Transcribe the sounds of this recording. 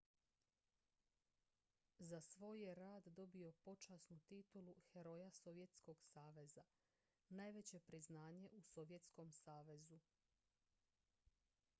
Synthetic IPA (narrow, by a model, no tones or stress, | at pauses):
zasʋo̞ːjje̞ɾaːd̪d̪o̞bio̞po̞t͡ʃasnut̪it̪uluxe̞ɾo̞jaso̞ʋje̞t̪sko̞ɡsaːʋe̞za | najʋe̞t͡ɕe̞pɾiznaːɲe̞ʔuso̞ʋje̞t̪sko̞msaːʋe̞zu